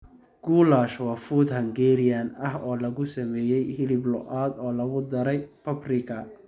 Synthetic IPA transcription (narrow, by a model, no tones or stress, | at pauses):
ɡ̥uːlaːʃwɑfuːd̪ɦɐŋɡɛːɾɪjɐnɐɦɔːlɐɣʊsɐmɛːjɛjhɪlɪblɔ̰ʔaːd̪ɔːlɐɣʊd̪ɐɾɛjpʰɐbrɪkʰɐ